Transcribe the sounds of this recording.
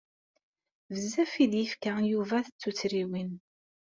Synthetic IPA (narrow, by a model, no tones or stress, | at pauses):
vəzːæfid̪jəfkajuvæθət͡sːut͡sːɾiwin